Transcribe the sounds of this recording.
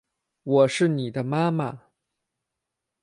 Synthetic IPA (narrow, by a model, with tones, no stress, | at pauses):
wɔ˨˩ʂɻ̩˥˩ni˨˩d̪ə˦ma˥ma˨